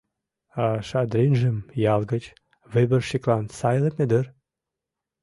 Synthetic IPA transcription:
ɑʃɑd̪ɾenʒə̆mjɑlɡə̆t͡ɕ | βebə̆rʃiklɑnsɑjlemed̪ər

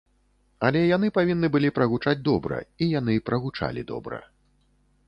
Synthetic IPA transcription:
alʲɛjan̪ɨpavʲinːɨbɨlʲipɾɐɣut͡ʂad͡zʲd̪ɔbɾɐ̰ijan̪ɨpɾɐɣut͡ʂa̰lʲḭd̪ɔ̰bɾɐ̰

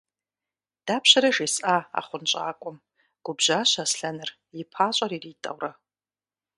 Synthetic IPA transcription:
d̥aːpʰɕɐɾɐʒisʔaːa̰χʷʊnt͡ʃʼa̰ːkʷʼʊm | ɡ̥ʷʊbʑaːɕasɬɐnɨr | jɪpʰaːɕʼɐriːriːtʼɐ̰wrɐ

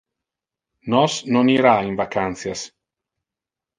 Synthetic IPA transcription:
nɔsnɔniɾainvakʰanθjas

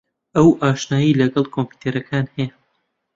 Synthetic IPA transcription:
ʔɐwʔaːʃnaːjilɐɡɐlˠkʰompi̥t̪ʰeɾɐkʰaːnhɛja

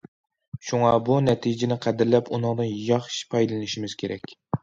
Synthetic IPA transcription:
ʃuŋɑbunɛt̪ʰid͡ʒɪnɪqʰæd̪ɪɾlɛpunɨŋd̪ɨnjɑχʃi̥pʰɑjlɨnɪʃimɪz̥kʲʰeɾɛkʲ

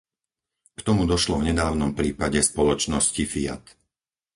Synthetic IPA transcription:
kt̪ɔmud̪ɔʃlɔvɲɛd̪aːʊnɔmpɾiːpaɟɛspɔlɔt͡ʃnɔscifia̰t̪

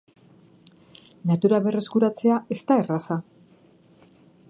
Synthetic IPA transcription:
nat̪uɾaβe̞re̞skuɾat͡se̞ae̞st̪aerasa

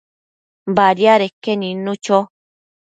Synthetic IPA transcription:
baɾjaɾekːenĩnːũt͡ʃo

